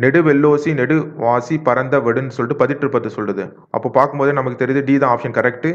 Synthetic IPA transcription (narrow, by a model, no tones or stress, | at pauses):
nɛɽɯʋɛlːoːsinɛɽɯʋaːsipɐɾɐnd̪ɐʋɛɽɯnɯsɔlʈːɯpɐðɪʈːɪɾɯpːɐt̪ːɯsɔlrɐðɯ | ʔɐ̰pːoːpaːɾkɯmpoːðenɐmɐkːɯt̪ɛɾɪðɯɖiːðãaːpʂɐnkɐɾɛkʈɯ